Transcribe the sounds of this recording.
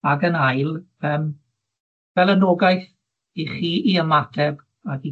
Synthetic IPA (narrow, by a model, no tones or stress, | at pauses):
aɡənajlˠ | əːm | vɛlˠənoːɡajθ | iχiːiəmatʰɛb | aɡi